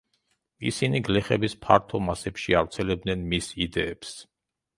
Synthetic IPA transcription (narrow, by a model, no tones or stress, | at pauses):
ḭsiniɡlɛχɛbispʰaɾt̪ʰɔmasɛpʃiavɾt̪sʰɛlɛb̚d̪nɛnmisid̪ɛːps